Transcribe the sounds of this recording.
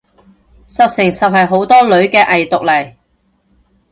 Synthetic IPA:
sɐ˨p̚sɪ˨˩ŋsɐ˨p̚ɦɐ˨jɦo˨˥wt̪ɔː˥lɵ˨˥ɥkɛː˧ʔɐ˨jt̪ʊ˨k̚lɐ˨˩j

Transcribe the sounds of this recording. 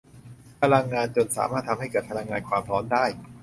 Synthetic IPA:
pʰa˧la˧ŋːaː˧nt͡ɕo˨˩nsa̰ː˩˦maː˥˩t̪ʰa˧mha˥˩jkɤː˨˩t̪̚pʰa˧la˧ŋːaː˧nkʰwaː˧mɾʰɔː˦˥ndaː˥˩j

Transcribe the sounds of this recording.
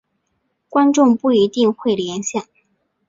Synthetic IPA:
kwa˥nʈ͡ʂʊ˥˧ŋpu˥˩i˧˥t̪i˥˧ŋxwe˥˩ɪljɛ˧˥nɕjɛ˥˩n

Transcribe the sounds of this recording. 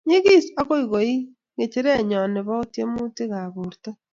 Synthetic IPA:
ɲi˦ɣi˦sa˦ɣo˦i˨ɣo˨i˦ | ŋɡe˨t͡ʃe˦ɾe˦˨ɲɔ˨ne˨βa˦o˦tje˦mu˦te˦ɣa˨βu˨ɾta˦

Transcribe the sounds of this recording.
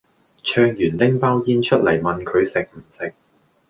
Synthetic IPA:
t͡ʃʰœː˧ŋjyː˨˩nlɪ˥ŋpaː˥wkiː˧nt͡ʃʰɵ˥t̚lɐ˨˩jmɐ˨nkʰɵ˨˧ɥsɪ˨k̚m̩˨˩sɪ˨k̚

